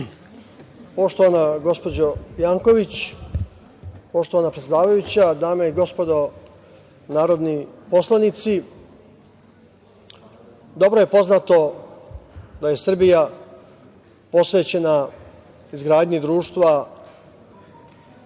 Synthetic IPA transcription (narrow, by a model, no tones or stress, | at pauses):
po̞ʃt̪o̞ʋanaɡo̞spo̞d͡ʑojaːŋko̞ʋit͡ɕ | po̞ʃt̪o̞ʋanapɾet̪sjed̪aːʋajut͡ɕad̪aːmaiɡo̞spo̞d̪o̞ | naːɾo̞d̪nipo̞slanit̪si | d̪o̞bɾo̞je̞po̞znat̪o̞ | d̪aje̞sr̩bija | po̞sʋe̞ːt͡ɕe̞na | izɡɾaːd̪ɲid̪ɾuːʃt̪ʋa